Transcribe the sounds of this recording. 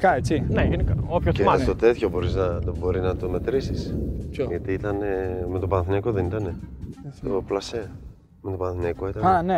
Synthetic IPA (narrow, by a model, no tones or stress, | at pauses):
kɐet͡sineʝenikɐopçoest̪o̞t̪e̞t̪ço̞bo̞ɾiznɐbo̞ɾiznɐt̪ome̞t̪ɾisisʝɐt̪iit̪ɐneme̞t̪o̞pɐnθinekoðe̞nit̪ɐne̞t̪oplɐse | me̞t̪opɐnθinekoit̪ɐnane